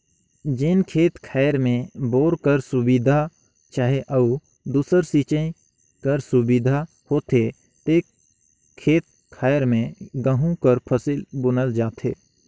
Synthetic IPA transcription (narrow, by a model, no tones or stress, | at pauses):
d͡ʒɪnkʰeːt̪kʰaːjɾmẽboːɾkəɾsʊbiːd̪ʱa | t͡ʃaːɦeʔəu | d̪uːsəɾsiːt͡ʃẽ | kəɾsʊbid̪ʱa | hoːt̪e | t̪eːk | kʰːeːt̪̚ | kʰaːjəɾmẽɡəɦũkəɾpʰəsilbʊnəld͡ʒaːt̪ʰeː